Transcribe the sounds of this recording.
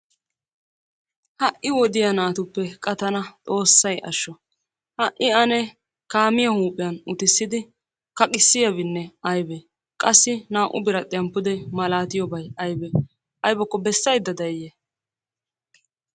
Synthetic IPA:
hɐʔːɪwɔd̪ɪjɐnaːt̪ʊpːɛkʼɐt̪ɐnɐt̪ʼo̞ːsːɐjʔɐ̰ʃːɔ | hɐʔɪɐnɛ | kaːmɪjɐhuːpʼɪjɐnʊt̪ɪsːɪd̪ɪ | kɐkʼɪsːɪjɐbɪnːɛɐjbɛ | kʼɐsːɪnaːʔʊbɪɾɐt̪ʼɪjɐmpːʊd̪ɛmɐlaːt̪ɪjɔbɐjɐjbɛ | ʔɐjbɔkːɔbɛsːɐjd̪ːɐd̪ɐjːɛ

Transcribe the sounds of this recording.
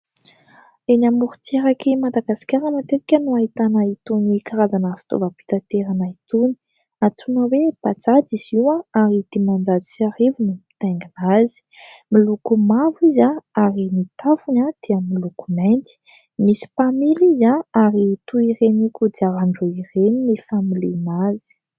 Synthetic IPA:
enamuɾut͡seɾakimad̪aɡasi̥kʲaɾənat̪et̪i̥kʲənuait̪anəit̪unikaɾazanəfi̥t̪o̰vəpi̥t̪at̪eɾanait̪uni̥ | at͡sunəweb̥at͡sad̪iz̥iwaaɾid̪̥imand͡zad͡zi̥siaɾivunupi̥t̪eŋɡinazi̥ | milukumavizaaɾinit̪afunad̪̥eamilukumant̪i̥ | misi̥pamilizaaɾit̪uiɾenikud̪iavaɳɖ͡ʐoiɾeninefamilinazi̥

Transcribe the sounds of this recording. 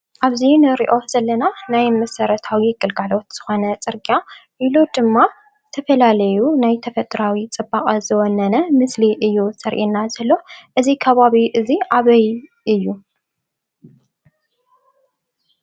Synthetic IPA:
ʔaβzinɨɾḭʔo̞z̥ɐlːɐnanajmɐsɐɾɐt̪ʰawikʼɨlɡʼalo̞t̪z̥ɨxo̞nɐt͡sʼɨɾɡaʔilod̪ɨmːa | ɨt̪ʰɐfɐlalɐjunajt̪ʰɐfɐt̪ʼɾawit͡sʼɨbaχʼɐzɨwɔnːɐnɐmɨsliʔɨjːusɐɾʔinːazɐlːo̞ʔɨzikʰɐβaβiʔɨziʔaβɐjʔɨjːu

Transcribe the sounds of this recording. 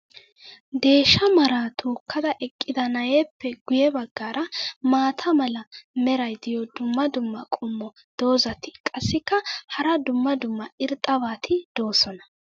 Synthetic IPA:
d̪e̞ːʃɐmɐɾaːt̪ʰuːkʰːɐd̪ɐʔɛkʼːɪd̪ɐnɐjɛpːɛɡʊjɛbɐɡːaːɾɐmaːt̪ʰɐmɐlɐmɛɾɐjd̪ɪjɔd̪ʊmːɐd̪ʊmːɐ̰kʼʊmːɔ | d̪̥o̞ːzɐt̪ɪ̥kʼɐsːɪkːɐhɐɾɐd̪ʊmːɐd̪ʊmːɐɪɾt̪ʼːɐβaːt̪ʰɪd̪̥o̞ːsɔnɐ

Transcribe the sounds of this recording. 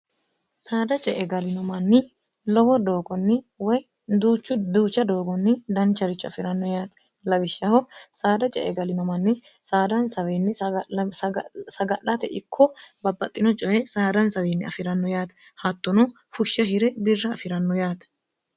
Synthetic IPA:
saːd̪ɐt͡ʃʼɛʔɛɡɐlɪnɔmɐnːɪ | lɔwɔd̪oːɡɔnːɪ | wɔj | d̪uːt͡ʃːʊd̪uːt͡ʃːɐd̪o̞ːɡɔnːɪd̪ɐnt͡ʃːɐɾɪt͡ʃːʊɐ̰fɪɾɐnːɔjaːt̪ɐ̥ | lɐbɪʃːɐhɔsaːd̪ɐt͡ʃʼɛ̰ʔɛɡɐlɪnɔmɐnːɪ | saːd̪ɐnsɐwiːnːɪ | sɐɡɐᶑːat̪ɛʔɪkʰːɔbɐbːɐt̪ʼːɪnɔt͡ʃʼɔjɛsaːd̪ɐnsɐweːnːɪɐfɪɾɐnːɔjaːt̪ɐ̥ | hɐt̪ːɔnɔ | fʊʃːɐɦɪɾɛbɪrːɐːfɪɾɐnːɔjaːt̪ɐ̥

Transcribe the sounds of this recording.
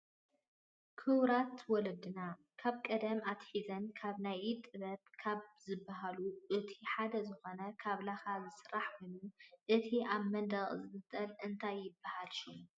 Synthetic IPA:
kʰɨβɾat̪wɔlɐd̪ɨna | kʰaβkʼɐd̪ɐmat̪ħizɐnkʰaβnajit̪ʼɨβɐt̪kʰaβzɨbːaɦaluʔɨt̪ʰiħad̪ɐzɨxo̞nɐkʰaβlaxazɨsɨɾaħkʰojnuʔɨt̪ʰiʔaβmɐnd̪ɐχʼzɨmɨt̪ʼːɐlɨnt̪ʰajːɪbːahalʃum

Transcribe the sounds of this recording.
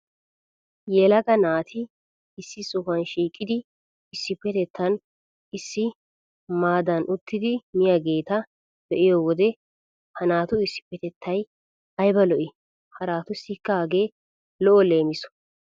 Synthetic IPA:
jɛlɐɡɐnaːt̪ʰɪː | sːɪsʊhɐnʃiːkʼːɪd̪ɪ | ɪsːɪpːɛt̪ɛt̪ʰːɐn | ɪsːɪ | maːd̪ɐnʔʊt̪ːɪd̪ɪmɪjaɡe̞ːt̪ɐ | d̪̥ɛʔɪjowɔd̪ɛ | hɐnaːt̪ʊɪsːɪ̥pːɛt̪ɛt̪ʰːɐj | ɐjbɐlɔʔɪ | hɐɾaːt̪ʊɪsːɪkːɐɡeː | lɔʔɔle̞ːmɪsɔ̥

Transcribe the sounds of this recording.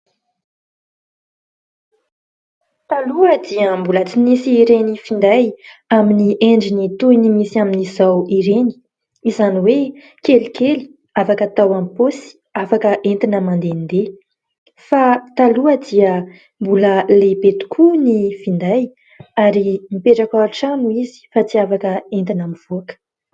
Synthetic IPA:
t̪aluəd̪iəmbulət͡sinisiɾenifind̪ajaminiʔeɳd͡ʒinit̪ujnimisaminizawiɾeni̥ | izaniwe | kelikʰeli̥ | afakət̪awamiposi̥ | afakəʔent̪inəmand̪end̪e | fat̪aluəd̪iə | mbuləlebet̪u̥kʰunifind̪aj | aɾimipeʈ͡ʂakaaʈ͡ʂanuizi̥fat͡siafakəent̪inamiv̥okə̥

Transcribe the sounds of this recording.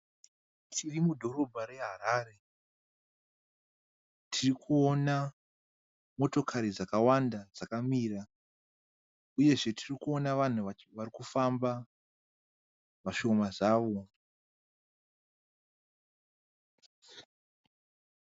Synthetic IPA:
tʰirimudʱo̞ɾo̞bʱaɾe̞ɦaɾaːre̞ | tʰirikʰuona | mo̞to̞kʰaɾid͡zakawandad͡zakamiːra | uje̞ʐe̞tʰirikuo̞naʋan̤ua | ʋarikufamba | maʃo̞mazaːʋo̞

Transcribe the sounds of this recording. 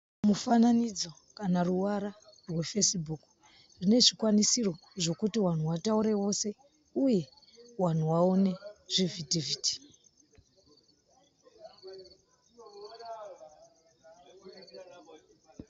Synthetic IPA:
mufananid͡za | kanaruwaɾa | rwe̞fe̞sibʱuku̥ | ʐine̞ʐikwanisiro̞ | ʐo̞kutiwan̤uwatauɾe̞wo̞se̞ | uje̞ | wan̤uwao̞ne̞ʐivʱitiviti̥

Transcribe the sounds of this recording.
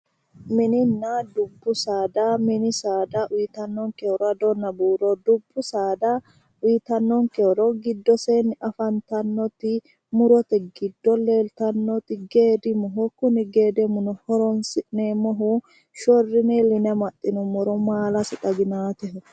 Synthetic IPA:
mɪnɪnːad̪ʊbːʊsaːd̪amɪnɪsaːd̪aʔʊɪt̪ɐnːɔŋkɛɔɾɔɐd̪ɔnːɐbuːɾɔd̪ʊbːʊsaːd̪a | ʊjt̪ɐnːɔŋkɛɔɾɔɡɪd̪ːɔseːnɪʔɐfɐnt̪ɐnːɔt̪ɪ | mʊɾɔt̪ɛɡɪd̪ːɔle̞ːlt̪ɐnːɔt̪ɪɡe̞ːd̪ɪmɔɦɔkʊnɪɡe̞ːd̪ɛmʊnɔhɔɾɔnsɪʔnemɔɦu | ʃɔrːɪnelɪnɐmɐt̪ʼːɪnʊmɔɾɔmaːlɐsɪt̪ɐɡɪnaːt̪ɛɦɔ

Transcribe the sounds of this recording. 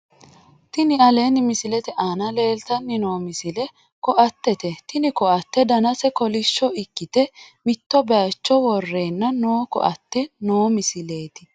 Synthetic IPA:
t̪ɪnɪɐle̞ːnɪmɪsɪlɛt̪ɛʔaːnɐle̞ːlt̪ɐnːɪnoːmɪsɪlɛ | kɔʔɐt̪ːɛt̪ɛt̪ɪnɪkɔʔɐt̪ːɛd̪ɐnɐsɛkɔlɪʃːɔɪkːɪt̪ɛ | mɪt̪ːɔbɛɐt͡ʃːɔwɔrːe̞ːnːɐno̞ːkɔ̰ʔɐt̪ːɛnoːmɪsɪle̞ːt̪ɪ̥

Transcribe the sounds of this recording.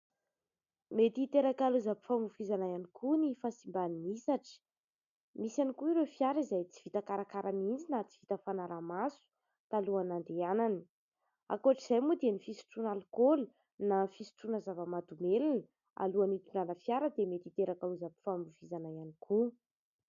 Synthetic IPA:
met̪it̪eɾakaluzapi̥fambufizanajanikʰunifasimbanimisaʈ͡ʂə̥ | misanikuiɾefjaɾizajt͡si̥v̥it̪akaɾakaɾʔanind͡zinat͡si̥vit̪əfanaɾamasu̥ | t̪aluanand̪eanani̥ | a̰kuaʈ͡ʂiz̥ajmud̪eanifisi̥ʈ͡ʂunalkoli | nafisi̥ʈ͡ʂunəzavəmad̪umelinə | a̰luanit̪uɳɖ͡ʐanəfjaɾəd̪emet̪it̪eɾakaluzapi̥fambuvizanajanikʰu

